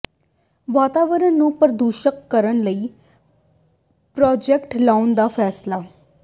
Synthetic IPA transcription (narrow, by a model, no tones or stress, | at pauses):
ʋaːt̪aːʋəɾənːũːpəɾd̪uːʃəkːəɾənləiː | pɾɔːd͡ʒɛkʈlaːʊnd̪aːpʰɛːslaː